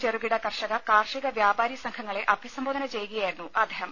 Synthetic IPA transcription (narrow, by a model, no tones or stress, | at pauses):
t͡ɕeruɡiɽɐkɐrʂɐɣɐkaːrʂiɣɐʋjaːbaːɾjɐsɐŋkʰɐŋːɐɭe̞ʔɐbʱisɐmboːd̪ɐnɐt͡ɕe̞jukɐjaːjiɾunːuʔɐd̪ʱeːɦɐm